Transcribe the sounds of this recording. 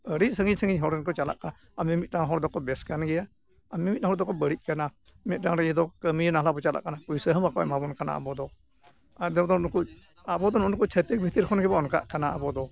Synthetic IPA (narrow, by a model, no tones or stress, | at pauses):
əɾiʔsəŋɡiɲsəŋɡiɲɦɔɾɛnkɔt͡ʃala̰ʔkaa | amimit̪̚naɦɔɾd̪ɔkɔbɛskanɡɛja | amimit̪̚nãɦɔɾd̪ɔkɔbəɽit̪̚ˀkana | mɛt̪̚daŋɾɛɛd̪ɔkəminaɦlabɔt͡ʃala̰ʔkanakujsəɦəbakɔa̰mabɔnkana̰a̰bɔd̪ɔ | ad̪ɛɔd̪ɔɔnku | abɔd̪ɔnɔnkɔt͡ʃʰət̪ik̚bʱit̪iɾkʰɔnɡɛbaɔnka̰ʔkanaa̰bɔd̪ɔ